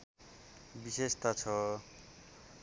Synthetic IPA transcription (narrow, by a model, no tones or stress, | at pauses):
bisest̪at͡sʰʌ